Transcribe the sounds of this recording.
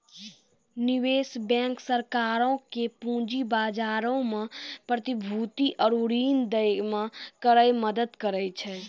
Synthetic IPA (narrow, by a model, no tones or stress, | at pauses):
niwesbɛ̃ŋksəɾkaɾõkepũd͡ʒibad͡ʒaɾõmẽpɾət̪ibʱut̪iʔəɾuɾind̪əmẽkəɾəjməd̪əd̪kəɾɛjt͡ʃʰɛ